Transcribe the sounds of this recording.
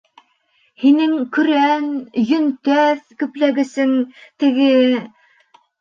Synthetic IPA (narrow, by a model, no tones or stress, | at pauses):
hinɘŋkɵ̆ɾænjɵ̆nt̪æðkɵ̆plæɡɘ̆sɘŋt̪ɘ̆ɡɘ